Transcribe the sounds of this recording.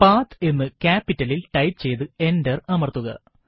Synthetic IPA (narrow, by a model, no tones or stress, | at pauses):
paːt̪e̞nːɨkaːpːitːɐlilʈɐjt͡ɕe̞jt̪ɨe̞ndɐrɐmɐrt̪ːuɣɐ̰